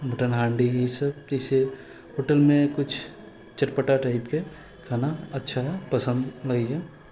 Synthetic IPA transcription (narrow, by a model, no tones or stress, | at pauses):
mɐʈənɦãːɳɖiisəb̚kese | ɦoːʈəlmẽkʊt͡ʃʰ | t͡ʃəʈpəʈaʈaːɪpke | kʰaːnaɐtːʃʰapəsə̃nd̪lɐɡiɡɛː